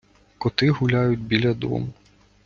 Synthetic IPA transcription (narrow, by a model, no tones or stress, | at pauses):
kɔt̪ɪɦʊlʲajʊtʲbʲilʲɐd̪ɔ̰m